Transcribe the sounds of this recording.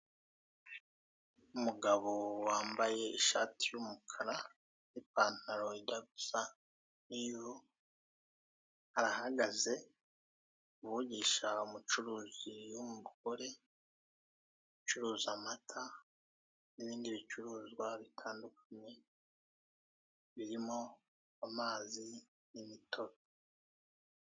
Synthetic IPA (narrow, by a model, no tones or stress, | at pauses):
umuɡaβo̞waːmbaje̞iʃaːtʰijumukʰaɾa | nipaːn̥aɾo̞idaɡusa | niβo | haɾaɦaɡaze̞ | uβuɟiʃaumut͡ʃuɾuːzijumuβuɡoɾe̞ | ut͡ʃuɾuːzamatʰa | niβiːndiβit͡ʃuɾuːzɡwaβitʰaːndukʰḁɲe̞ | βiɾimo̞ | amaːzi | nimitʰo̞ɾo